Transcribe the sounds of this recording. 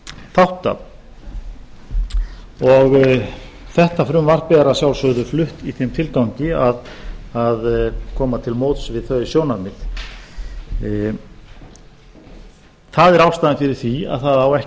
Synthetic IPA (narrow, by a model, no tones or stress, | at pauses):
θawht̪a̰ | ɔɣ | θɛht̪afɾʏmvaɾ̥pɛːɾasjawlsœðʏflʏht̪iθemt̪ʰɪlk̪awɲcɪaðaðkʰɔːmat̪ʰɪlmoːwt̪svɪðθœɥsjoːwnaɾmɪθ | θaðɛɾawst̪aðɪnfɪɾɪɾ̥θvia̰ðθaðawɛh